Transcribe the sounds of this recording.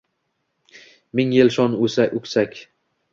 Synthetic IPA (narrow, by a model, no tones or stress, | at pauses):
mɪŋjɪlʃɒnusakʲʊkʲsakʲ